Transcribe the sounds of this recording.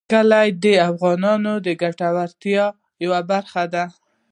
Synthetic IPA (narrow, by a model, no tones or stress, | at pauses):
kəlajd̪əafɣɑnɑnod̪əɡaʈawaɾt̪jɑ | jawabaɾxad̪a